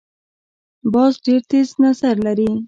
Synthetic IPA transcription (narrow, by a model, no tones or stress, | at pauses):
bɑzɖeɾt̪eznazaɾlaɾi